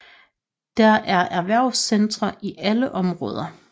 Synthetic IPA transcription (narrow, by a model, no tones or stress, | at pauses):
d̥æʔæɐʔæɐʋæɐ̰ʊsend̥ʁɐʔiʔæləʔɒ̽mʁɔ̽ːð̞ˠɐ